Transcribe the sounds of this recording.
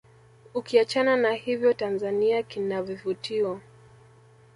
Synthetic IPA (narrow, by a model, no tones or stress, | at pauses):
ukiat͡ʃananahivjɔtanzaniakinavivutiwa